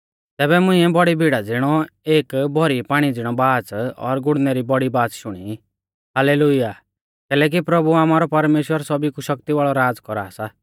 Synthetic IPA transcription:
t̪ɛːbɛmʊ̃ĩɛbɔɽibʱiɽad͡zɪɽ̃ɔeːkbʱɔɾipaːɽ̃id͡zɪɽ̃ɔbaːt͡sɔ̰ɾɡʊɽnɛɾibɔɽibaːt͡sʃʊɽ̃i | ɦaleːlʊjaː | k̪ɛːlɛːk̬ipɾɐbuaːmaːɾɔpɐɾmeːʃwəɾsɔbikuʃɐkt̪iʋaːɭɔɾaːd͡zkɔɾa̰ːsa

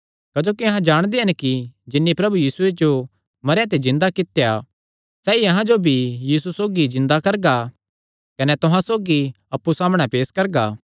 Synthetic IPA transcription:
kɐd͡ʒoːkiɐɦãd͡ʒaːɽ̃d̪eɦɐnkid͡ʒɪnːipɾɐbujiːsued͡ʒo | mɐɾjãt̪̬ezɪ̃nd̪akɪt̪ja | sɛːiɐɦãd͡ʒobʱijiːsusoːɡizɪ̃nd̪akɐɾɡa | kɐnɛt̪oɦãsoːɡi | ɐpːusaːmɽ̃ɛ̃peːskɐɾɡaː

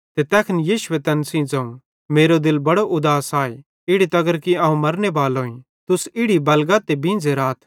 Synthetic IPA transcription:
t̪et̪ɛːkʰnjiːʃʊʋet̪ɐnsĩd͡zɐ̃ũ | meːɾod̪ɪlbɐɽoʔʊd̪aːsaːe | ɪɽit̪ɐɡəɾkiɐːɦũmɐɾnebaːlɦoːĩ | t̪ʊsɪɽibɐlɡat̪ebĩːnd͡zeɾaːt̪ʰ

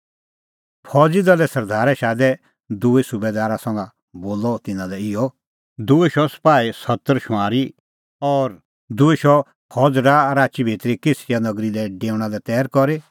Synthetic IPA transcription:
pʰɔd͡zid̪ɐlɛsɐɾd̪ʱaːɾɛʃaːd̪ɛ | d̪ʊesʊbɛd̪aːɾasɐ̃ŋɡa | boːlɔt̪ɪnãlɛɪjɔ | d̪ʊeʃɔspaːisɐt̪ːəɾʃʊ̃aːɾi | ɔːɾ | d̪ʊeʃɔ | pʰɔd͡zɾaɾaːt͡ʃibʱiːt̪ɾikesʰɪjanɐɡɾilɛɖeːʊɽ̃ãlɛt̪ɛːɾkɔɾe

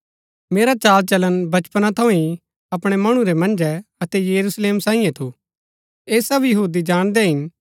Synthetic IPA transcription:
meːɾat͡ʃaːlt͡ʃɐlənbɐt͡ʃpənat̪ʰɐ̃ĩ | ɐpɽ̃ɛmɐɽ̃ũɾɛmɐ̃nd͡ʒɛɐt̪ɛjɐɾuːsleːmsãːĩjẽt̪ʰu | eːsɐbjɐɦuːd̪id͡ʒaːɽ̃d̪ɛɦɪn

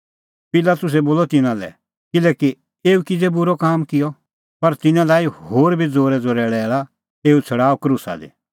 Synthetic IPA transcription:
pɪlaːt̪ʊs̬ɛboːlɔt̪ɪnãlɛ̰ | kɪlɛːki | eːukɪd͡zebʊɾɔkaːmkɪjɔ | pɐɾt̪ɪnãlaːjhoːɾbʱid͡zoːɾɛd͡zoːɾɛɽɛːɭa | eːut͡sʰɐɽaːɔkɾusa̰d̪ḛ

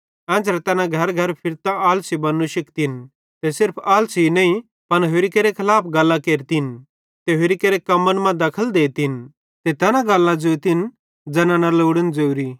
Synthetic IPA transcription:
ɛ̃ːt͡sɾɛt̪ɛːnãɡʱɐɾɡʱɐɾpʰɪɾt̪aaːlsibɐnːuʃɪkt̪ɪn | t̪esɪɾpʰaːlsinɛĩ | pɐnɦoɾikeɾekʰɐlaːpʰɡɐlːakeːɾt̪in | t̪eɦʊɾikeɾekɐmːənmɛ̃d̪ɐkʰəld̪eːt̪ɪn | t̪et̪ɛːnaɡɐlːãd͡zoːt̪ɪn | d͡zɐnãnɐloːɽənd͡zewɾi

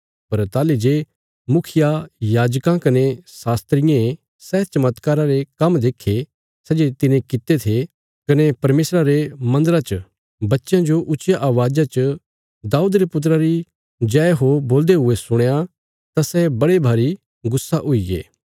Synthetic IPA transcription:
pɐɾt̪aːled͡ʒe | mʊkʰɪjajaːd͡ʒkãkɐnesaːst̪ɾɪjã | sɛːt͡ʃɐmət̪kaːɾãɾekɐmd̪eːkʰːe | sɛːd͡ʒet̪ɪnẽkɪt̪et̪ʰe | kɐnepɐɾmeːsɾaɾemɐ̃nd̪əɾat͡ʃə | bɐtːʃjãd͡ʒoʔʊt͡ʃjaʔaːʋaːd͡ʒat͡ʃə | d̪aːuːd̪ɾepʊt̪̬ɾaɾi | d͡ʒɛːeɦoboːld̪eɦʊesʊɽ̃ja | t̪asɛːbɐɽebʱaːɾi | ɡʊsːaʔʊiɡḛː

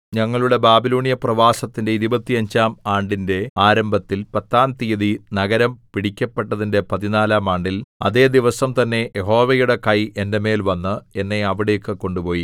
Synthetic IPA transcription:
ɲɐŋːɐɭuɭebaːbiloːɳijɐprɐʋaːsɐt̪ːinde̞iðibɐt̪ːijɐɲd͡ʑaːmaːɳɖinde̞aːɾɐmbʱɐt̪ːilpɐt̪ːaːnt̪ijɐðinɐɣɐɾɐmpiɽikʲːɐpːeʈːɐðinde̞pɐðinaːlaːmaːɳɖilɐ̰ðe̞ːd̪iʋɐsɐmt̪ɐnːe̞jeɦo̞ːʋejuɽe̞kɐjʔende̞me̞ːlʋɐnːɨe̞nːeɐʋiɽe̞ːkːɨko̞ɳɖupo̞ːji

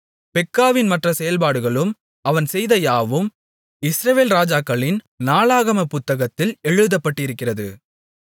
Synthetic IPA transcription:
pɛkːaːʋɪnmɐʈrɐsɛjɐlpaːɽɯɣɐɭɯm | ɐʋɐnsɛjðɐjaːʋɯm | ɪsɾɐʋeːlɾaːd͡ʒaːkːɐɭɪn | naːɭaːɣɐmɐpʊt̪ːɐɣɐt̪ːɪlɛɻɯðɐpːɐʈːɪɪɾɯkːɪrɐðɯ

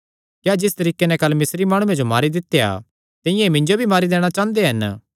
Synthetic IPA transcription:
kjaːd͡ʒɪst̪ɐɾiːkenɛ̃kɐlːmɪsɾimaːɽ̃ʊ̃ẽd͡ʒomaːɾid̪ɪt̪ːeja̰ | t̪ɪ̃jãemɪ̃ɲd͡ʒobʱimaːɾid̪eːɽ̃at͡ʃaːə̃nd̪eɦɐn

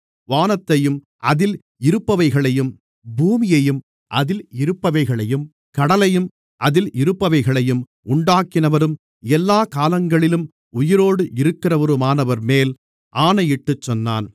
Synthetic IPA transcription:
ʋaːnɐt̪ːɐjɯm | ʔɐðɪl | ɪɾɯpːɐʋɐɪɣɐɭɐjɯm | bʱuːmɪjɐjɯm | ʔɐðɪlɪɾɯpːɐʋɐɪɣɐɭɐjɯm | kɐɽɐlɐjɯm | ʔɐðɪlɪɾɯpːɐʋɐɪɣɐɭɐjɯm | ʊɳɖaːkɪnɐʋɐɾɯm | ɛlːaːkaːlɐŋɡɐɭɪlɯm | ʊjɪɾoːɽɯʔɪɾɯkːɪrɐʋɐɾɯmaːnɐʋɐɾmeːl | ʔaːnɐjɪʈːɯt͡ʃːɔnːa̰ːn

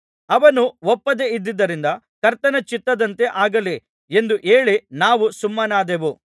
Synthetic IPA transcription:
ɐʋɐnuʋɔpːɐd̪e̞id̪ːid̪ːɐɾind̪ɐ | kɐɾt̪ɐnɐt͡ʃit̪ːɐd̪ɐnt̪e̞ʔaːɡɐle | e̞nd̪uʔe̞ːɭinaːʋusumːɐnaːd̪eʋu

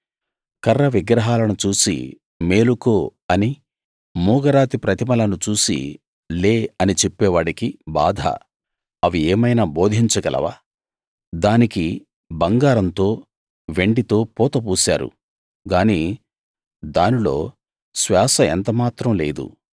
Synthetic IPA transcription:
kɐrːɐʋiɡɾɐɦaːlɐnut͡ʃuːsḭ | me̞ːlukoːɐni | muːɡɐɾaːt̪ipɾɐt̪imɐlɐnut͡ʃuːsḭ | leːɐnit͡ʃe̞pːɛːʋaːɽikiba̰ːd̪ʱa̰ | ɐʋieːmɐjnaːboːd̪ʱiɲt͡ʃɐɡɐlʔɐ̰ʋa̰ː | d̪aːniki | bɐŋɡaːɾɐnt̪o̞ː | ʋe̞ɳɖit̪o̞ːpɔːt̪ɐpuːsa̰ːɾṵ | ɡaːniː | d̪aːnilo̞ː | sʋaːsɐḛnt̪ɐmaːt̪ɾɐmle̞̰ːd̪ṵ

